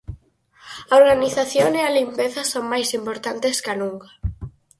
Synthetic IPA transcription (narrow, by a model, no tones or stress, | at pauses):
aoɾɣaniθaθjoŋealimpeθɐsoŋmajsimpoɾt̪ant̪eskanũŋkɐ